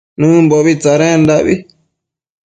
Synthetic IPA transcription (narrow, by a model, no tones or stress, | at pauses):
nũmboβit͡saɾẽnd̪aʔβi